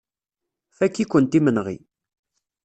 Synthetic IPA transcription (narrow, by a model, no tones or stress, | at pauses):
fækːikʷːənt̪imənʁḭ